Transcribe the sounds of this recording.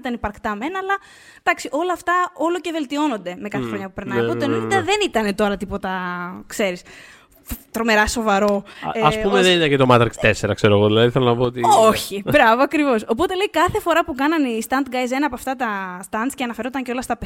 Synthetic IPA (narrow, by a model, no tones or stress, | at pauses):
t̪ɐnipɐɾkt̪ɐme̞nɐːlɐ | d̪̥ɐksiʔo̞lɐːft̪ɐo̞lo̞ce̞ve̞lt̪io̞no̞nd̪e̞me̞kɐθexɾoɲɐpupeɾnɐmepoonit̪ɐðe̞nit̪ɐne̞t̪o̞ɾɐt̪ipo̞t̪ɐkse̞ɾis | t̪ɾo̞me̞ɾɐso̞vɐɾo̞ɐspumeðeninɐcet̪o̞mɐt̪ɾikst̪e̞se̞ɾɐkse̞ɾo̞eɣoðilɐðiθelonɐpoot̪ioçibɾɐvoɐkɾivo̞so̞po̞t̪e̞leikɐθe̞fo̞ɾɐpukɐnɐnist̪ɐnt̪ɡɐjzenɐpoɐft̪ɐt̪ɐst̪ɐnsceɐnɐfeɾo̞t̪ɐŋɲceo̞lɐst̪ɐpe